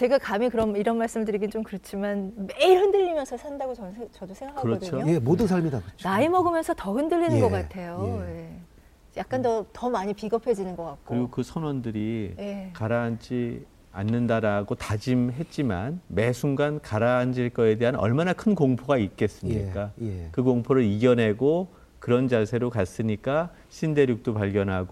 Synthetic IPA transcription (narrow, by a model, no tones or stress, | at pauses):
t͡ɕe̞ɡakamikɯɾʌniɾʌnmaɭs͈ɯmdɯɾiɡint͡ɕomkɯɾʌt͡ɕʰimanmeiɭhɯndɯʎːimjʌnsʰʌsʰandaɡot͡ɕʌnɯnt͡ɕʌdosʰe̞ŋɡakʰkːaɯɾʌʌt͡ɕʰoojemodɯsʰaɭmidakɯt͡ɕnaimʌɡɯmjʌnsʰʌtʌhɯndɯʎːinɯnɡʌk͈atʰe̞joeje̞ | jak̚k͈antʌtʌmaɲipiɡʌpʰed͡ʑinɯnɡʌk͈ak̚k͈oɯɾiɡokɯsʰʌnwʌndɯɾijekaɾaɦant͡ɕi | a̰nːɯndaɾaɡotad͡ʑimɦe̞t̚t͡ɕ͈imanme̞sʰuŋɡankaɾaand͡ʑiɭk͈ʌe̞deɦannʌ̰ɭmanakʰɯnkoŋpʰoɡait̚k͈e̞s͈ɯmɲik͈ajekɯkoŋpʰoɾɯɾiɡjʌnɦe̞ɡo | kɯɾʌnd͡ʑasʰe̞ɾokas͈ɯɲik͈a | ɕʰinde̞ɾjuk̚t͈opaɭɡjʌnɦaɡo